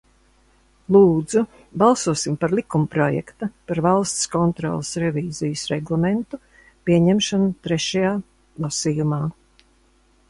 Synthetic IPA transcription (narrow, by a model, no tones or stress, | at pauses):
lˠuːd̪zu | balˠsuɔsimpaɾlˠikumpɾɔjɛ̰kt̪apaɾvalˠst̪skɔnt̪ɾɔ̰ːlˠsɾɛviːzijsɾɛɡlˠament̪u | piɛɲɛmʃɔnut̪ɾɛʃajaː | lˠasijumaː